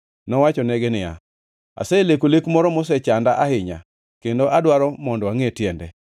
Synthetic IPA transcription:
nɔwat͡ʃɔnɛɡɪnɪja̰ | a̰selekolekmɔɾɔmɔs̬ɛt͡ʃandaʔahɪɲa̰ | kendoʔadwaɾɔmɔndɔaŋetjɛndɛ

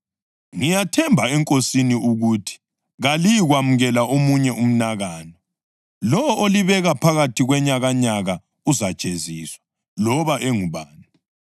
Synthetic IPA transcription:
ŋijatʰɛmbʱaɛŋkʼosiniuɣutʰi̥ | ɣalijiɣwamuɣɛlaʔomuɲɛum̩naɣaːnɔ | lɔwɔʔoliβɛɣapʰaɣatʰiɣwɛɲaɣaɲaɣa | uzḁt͡ʃʼeziːswḁ | lɔβaʔɛŋuβaːni

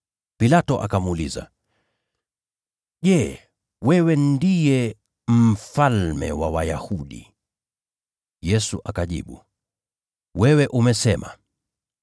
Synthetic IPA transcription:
pilatɔʔa̰kamuliza̰ | ʄɛː | wɛwɛndijɛ | m̩falmɛ̰wawajahuɗḭ | jɛsuʔakaʄḭɓṵ | wɛwɛʔumɛsɛma̰

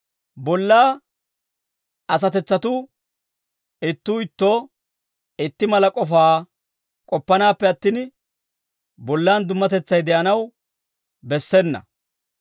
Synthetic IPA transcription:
bɔlːaː | ɐs̬ɐt̪ɛt͡sːɐt̪ʊ | ɪt̪ːuːɪt̪ːoː | ɪt̪ːɪmɐlɐkʼɔfaː | kʼɔpːɐnaːpːɛɐt̪ːiːn | bɔlːaːnd̪ʊmːɐt̪ɛt͡sːɐjd̪ɛʔɐnɐw | bɛsːɛnːɐ̰

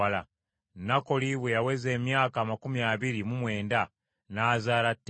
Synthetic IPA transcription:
ala | nako̞liβwejaweze̞ːmjaːkaːmakumiaβiɾimumwe̞ːnda | naːzaːlatː

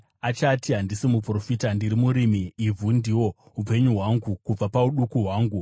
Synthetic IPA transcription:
at͡ʃatiɦandisimupro̞fitandiɾimuɾimiivundiwo̞ | ɦupe̞ɲuɦwaŋɡukub͡vapauɗukuɦwaːŋɡu

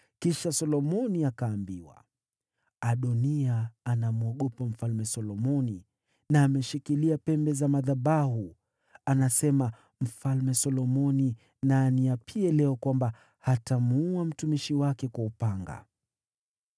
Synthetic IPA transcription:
kiʃasɔlɔmɔniakaːmbiwa̰ | aɗɔniaːnamuɔɠɔpam̩falmɛsɔlɔmɔni | naːmɛʃikiliapɛmbɛzamaðaɓaɦu | anasɛma | m̩falmɛsɔlɔmɔni | naːniapʰiɛlɛɔkwamba | hatamuam̩tumiʃiwakɛkwaupaŋɡa̰

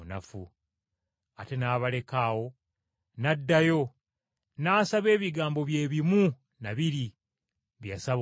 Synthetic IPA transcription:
nafu | ate̞naːβale̞kaːwo̞ | nadːajo̞ | naːsaβe̞ːβiɡaːmbo̞βje̞ːβimu | naβiɾi | βjasaβ

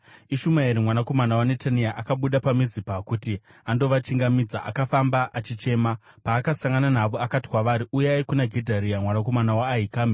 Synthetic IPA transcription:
iʃumaiɾimwanako̞manawane̞taniaʔakaɓuɗapamizipakuti | ando̞ʋat͡ʃiŋɡamid͡zaʔa̰kafambaʔat͡ʃit͡ʃe̞ːma | paːkasaŋɡananaʋoakati̥kwaʋaɾiʔujeaikunaɡʱedʱaɾiamwanako̞manawaːɦikaːmi

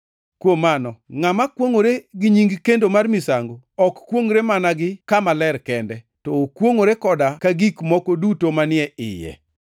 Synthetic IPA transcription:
kwomanɔŋamakwoŋoɾeɡɪɲiŋɡkendomarmɪsaŋɡo | ɔkːwoŋɾemanaɡɪkamalɛɾkɛndɛ | tɔkwoŋoɾekɔdakaɡikmɔkodutomanɪɛʔɪ̰jɛ̰

